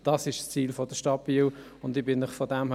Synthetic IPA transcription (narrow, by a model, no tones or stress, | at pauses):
d̥ɑsɪʃst͡siːlfɔd̥əʃtɑp̚b̥iːw | ʊndɪbɪnːɪχfɔdæmh